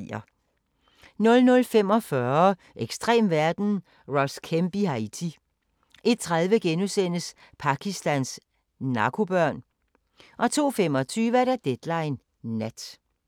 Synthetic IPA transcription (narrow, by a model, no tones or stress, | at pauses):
ɐ | nɔ̽lnɔ̽lfem̰ɒ̽fɶɐ | ʔeɡ̥sd̥ʁḛːmʋæɐd̥n̩ | ʁɒskʰemb̥ihɑit͡sʰi | ʔe̝d̥̚t͡sʰʁað̞ˠʋəɡ̥enusen̰əs | pʰɑ̈kʰisd̥æns | nɑ̈kʰo̝b̥ɶɐ̰n | ʔɒ̽t͡sʰo̝̰ːfemɒ̽t͡sʰyːʋəɾ̥æd̥ed̥lɑ̈ɪnː | æd̥